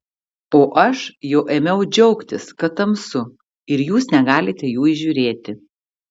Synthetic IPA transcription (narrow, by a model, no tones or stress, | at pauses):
oːʔɐʃjɛʊʔeːmʲɛʊd͡ʒʲɛʊkt̪ʲɪskɐt̪ɐmsʊ | ɪɾjuːsnʲɛɡɑːlʲɪt̪ʲɛjuːɪʒʲuːɾʲeːt̪ʲɪ